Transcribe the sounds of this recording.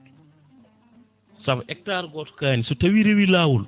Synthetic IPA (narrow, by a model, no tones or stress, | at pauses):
sɐbʔɛk̚taːɾɡɔtkaːnisutɐwiɾewilaːwul